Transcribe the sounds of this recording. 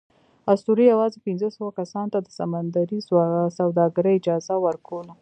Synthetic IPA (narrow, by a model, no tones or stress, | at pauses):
ast̪uɾijawɑzepɪnzəsəwakasɑnt̪ad̪əsamand̪aɾissawd̪ɑɡaɾəjɪd͡ʒɑzawəɾkolo